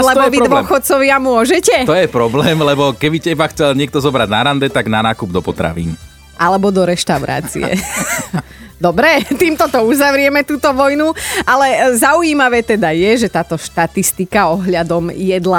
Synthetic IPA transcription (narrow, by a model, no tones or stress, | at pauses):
lɛbɔʋid̪ʋɔxɔt͡sɔʋɪamʊɔʒɛcɛt̪ɔjɛpɾɔblɛːmlɛbɔkɛbicɛibaxt͡sɛlɲɪɛk̚t̪ɔzɔbɾaɟnaɾand̪ɛt̪aɡnanaːkubd̪ɔpɔt̪ɾa̰ʋḭːn | ʔalɛbɔd̪ɔɾɛʃt̪aʊɾa̰ːt͡sḭɛ̰ | d̪ɔbɾɛt̪iːmt̪ɔt̪ɔuzaʋɾɪɛmɛt̪uːt̪ɔʋɔjnualɛzauiːmaʋɛːt̪ɛd̪ajɛʒɛt̪aːt̪ɔʃt̪at̪ist̪ikaɔɦʎad̪ɔmjɛd̪la